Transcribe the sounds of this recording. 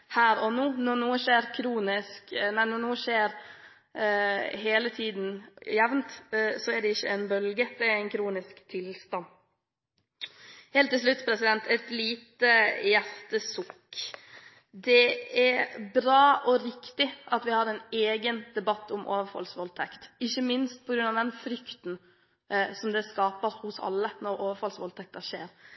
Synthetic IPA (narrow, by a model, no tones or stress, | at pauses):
hæːɾɔnuːnɔnuːəʃeːɾkʰɾuːnɪsknæɪnɔɳuːəʂeːɾ | ɦeːlət̪ʰiːd̪n̩jɛʋnt̪sɔæɖɛɪçːəɛnbœlɡəd̪̥ɛæɾæɪnkʰɾuːnɪskt̪ʰɪlst̪ɑn | heːlt̪ːɪls̬lʉt̪ːpʰɾɛsɪd̪ɛnt̪ɛt̪liːt̪əjæɾt̪əsʊkː | d̪ɛɛbɾɑːʔɔɾɪkt̪ɪʔɑt̪ʋɪhɑɾɛneːɡənd̪̥ɛbɑt̪ːʊmʔo̰ːʋəɾfɑ̰lsʋɔlt̪ʰɛkt̪ɪçːəmɪnst̪̚pʰɔɡɾʉnɑʋd̪ɛnfɾʏkt̪n̩ | sɔmd̪ɛskɑːpəɾhʊsɑ̰lːənɔɾoːʋəfɑlsʋɔlt̪ʰɛk̚t̪əʂeːɾ